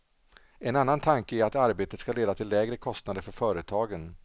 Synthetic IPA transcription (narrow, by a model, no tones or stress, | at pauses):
ɛnanːant̪ʰaŋkəæɾat̪aɾbeːt̪ət̪skaleːd̪at̪ʰɪlːɛːɡɾəkʰɔst̪nad̪əɾfœɾfœːɾət̪ʰɑːɡən